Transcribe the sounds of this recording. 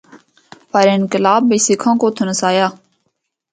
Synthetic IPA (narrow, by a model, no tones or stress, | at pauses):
pəɾeːnkɪlaːbːiːsɪkʰãːkoːt̪ʰʊnəsaːjaː